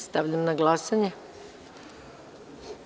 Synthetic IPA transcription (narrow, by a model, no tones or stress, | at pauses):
st̪aʋʎamnaɡlˠasaɲe